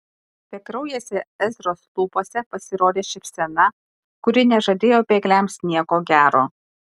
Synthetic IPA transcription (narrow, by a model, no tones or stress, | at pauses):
pʲɛkɾɐʊjeːsʲɛɛzʲɾoːslˠuːpoːsʲɛpɐsʲɪɾoːd̪ʲeːʃʲɪpʲsʲɛnɐ | kʊɾʲɪnʲɛʒɐd̪ʲeːjoːpʲeːɡlʲæmsʲnʲiɛkoːɡʲæːɾoː